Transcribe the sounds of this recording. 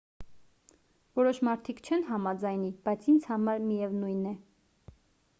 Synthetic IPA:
vɔɾɔʃmɑɾt̪ʰikt͡ʃʰɛnɦɑmɑd͡zɑjnib̥ɑjt͡sʰind͡zhɑmɑɾmijɛvnujnɛ

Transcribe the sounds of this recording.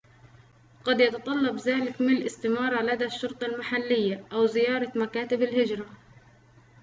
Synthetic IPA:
qɑd̪jɑt̪ɑt̪ˤɑlːɑbðaːlɪkmɪnlʔɪst̪ɪmɑːɾˤɑlad̪aʃːʊɾt̪ˤɑlmaħalːɪjːaʔawzɪjɑːɾˤɑmakaːt̪ɪbɪlhɪd͡ʒɾˤɑ

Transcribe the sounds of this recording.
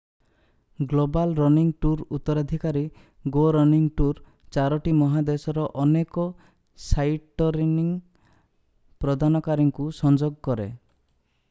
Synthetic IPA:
ɡlobalɾɔniŋʈuɾut̪ːɔɾad̪ʱikaɾi | ɡoɾɔniŋʈuɾ | t͡ʃaɾɔʈimɔɦad̪esɔɾɔʔɔnekɔ | sajʈɔɾiniŋ | pɾɔd̪ʱanɔkaɾiŋkusɔnd͡ʒoɡkɔɾe

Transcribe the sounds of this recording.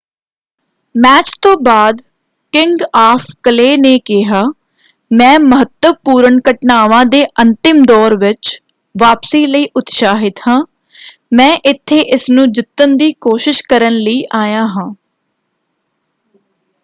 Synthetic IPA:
mɛːt͡ʃt̪õːbaːd̪ | kɪŋɡaːpʰkəleːneːkɪɦaː | mɛ̃ːməɦət̪ːəʋpuːɾəɳkəʈnaːʋãːd̪eːʔənt̪ɪmd̪ɔːɾʋɪt͡ʃ | ʋaːpsiːləiːʔʊt̪ʃaːɦɪt̪hãː | mɛ̃ːʔɪt̪ʰːeːʔɪsnũːd͡ʒɪt̪ːənd̪iːkoːʃɪʃkəɾənləiːʔaːjãːɦãː

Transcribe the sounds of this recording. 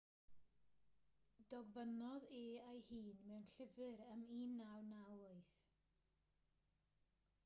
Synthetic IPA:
d̥ɔɡvənɔðeːajhiːnmɛwnɬɪvɨɾəmiːnawnawʊɨθ

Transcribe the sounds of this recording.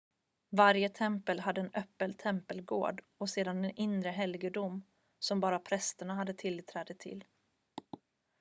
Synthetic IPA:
vaɾjət̪ʰɛmpəlɦad̪ːəɛnœpːənt̪ʰɛmpəlɡo̰ːɖ | ɔseːd̪anɛnɪnɾəɦɛlɡəɖʊm | sɔmbɑːɾapʰɾɛst̪əɳaɦad̪ːət̪ʰɪlt̪ʰɾɛːd̪ət̪ʰɪ̰l

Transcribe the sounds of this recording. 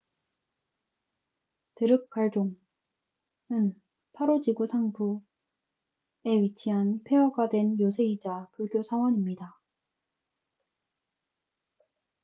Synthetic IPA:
tɯɾɯk̚k͈aɭd͡ʑoŋ | ɯn | pʰaɾod͡ʑiɡusʰaŋbu | e̞ɥit͡ɕʰiɦanpʰeʌɡadwe̞njosʰe̞id͡ʑapuɭɡjosʰaŋwʌɲimɲida

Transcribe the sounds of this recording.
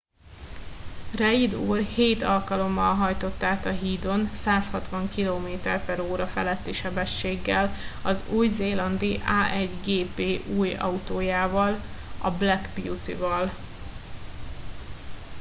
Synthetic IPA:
rɛid̪uːrheːt̪ɒlkɒlo̞mːɒlɦɒjt̪o̞t̪ːaːt̪ɒɦiːd̪o̞nsaːshɒt̪ʋɒŋkiloːmeːt̪ɛrpɛɾoːɾɒfɛlɛt̪ːiʃɛbɛʃːeːɡːɛlɒzuːjzeːlɒnd̪iʔaːʔɛɟɡeːpeːʔuːjɒ̰ut̪oːjaːvɒlɒ̰blɛɡbjut̪ḭvɒl

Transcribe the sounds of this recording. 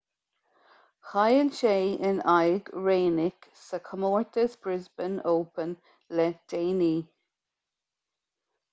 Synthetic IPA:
xajəlʃeːənajɡɹeːnɪksəkʰəmoːɹt̪əsb̥ɾɪzbənoːpən | lɛd̥eːniː

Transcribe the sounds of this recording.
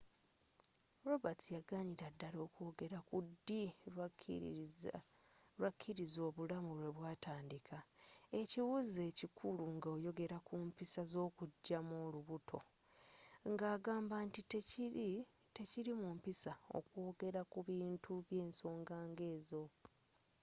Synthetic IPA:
ɾo̞batʰijaɡaɲiɾadːalo̞ːkwo̞ːɡe̞ɾakudːi | wakʰːiɾizo̞ːβulamuβwe̞βwaːtaːndikʰae̞ciwuze̞ːcikʰuluŋɡao̞ːjo̞ɡe̞ɾakumpisazo̞ːkuɟːamoːluβutʰo̞̰ | ŋɡaːɡaːmbaːntitei | te̞ciɾimumpisao̞̰kwo̞ːɡe̞ɾakuβiːntuβje̞ːnso̞ːŋɡaːŋɡe̞ːzo̞

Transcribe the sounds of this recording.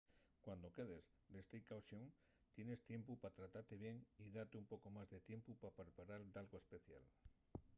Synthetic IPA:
kwand̪o̞ke̞ð̞ez | d̪est̪eikawsjoŋ | t̪je̞ne̞st̪je̞mpupat̪ɾat̪aɾt̪eβ̞je̞ŋiðat̪eumpo̞ko̞mazðet̪je̞mpupapeɾpaɾald̪alɣoespe̞θja̰l

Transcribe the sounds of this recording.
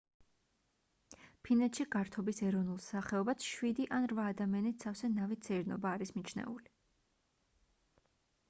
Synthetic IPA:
pʰinɛt̪ʃiɡaɾt̪ʰɔbisɛɾɔvnulˠsaχɛɔbat̪sʃwid̪iʔanɾvaːd̪amianit̪sʰafsɛnavit̪sʰɛɾnɔ̰baːɾismit͡ʃʰnɛ̰uli

